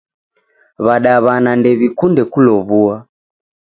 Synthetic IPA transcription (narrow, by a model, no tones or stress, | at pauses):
βaɗaβanandɛβikundɛkulɔβua